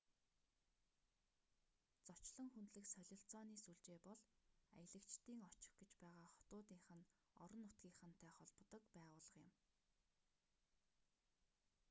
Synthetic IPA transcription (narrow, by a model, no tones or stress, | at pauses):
t͡sɔt͡ɕɮə̆ŋxunt̪ɮɘ̆ksœɮʲɞ̆ɬt͡sɔːniːsuɮt͡ɕeːpɔɮa̰j̆ɮə̆kt͡ɕt̪iːŋɔt͡ɕɪ̆xɡet͡ɕpæːʁaːχɔ̥t̪ʊːt̪iːŋχə̆n | ɔ̰ɾɞ̆nːʊt̪ɡʲiːŋχə̆n̥t̪ʰæːχɔɮp̆t̪ɞ̆kpæːʁʊːɮə̆qjɪ̆m